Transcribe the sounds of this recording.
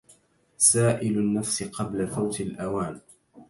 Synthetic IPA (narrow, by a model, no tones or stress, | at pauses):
saːʔɪlʊnːafsɪqɑblafawt̪ɪlʔawaːn